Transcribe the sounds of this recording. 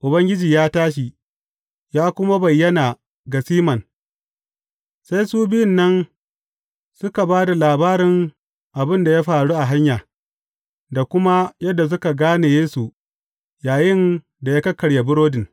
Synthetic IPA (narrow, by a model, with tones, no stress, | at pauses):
ʔʊ˨bɐ˦ŋɡʲɪ˦d͡ʒiː˨jaː˦taː˦ʃ̬i˨ | jaː˦kʷʊ˦ma˦bɐ˨jːɐ˦naː˨ | ɡa˨siː˦mɐ˨n | sa˦jsuː˦bɪ˦jɪ˨nːɐ˦n | sʊ˦ka˨baː˦da˨laː˨baː˦ɾɪ˨ŋ | ʔa˨bɪ˦nda˨ja˦ɸaː˨ɽuː˦ʔa˨ɦa˦ɲjaː˨ | da˨kʷʊ˦ma˦jɐ˦dːa˨s̬ʊ˦ka˨ɡaː˦ne˨jeː˦su˨ | jaː˨jɪ˦n | da˨jaː˦kɐ˦kːɐ˨ɽje˨bʊ˦ɾoː˦dɪ˨n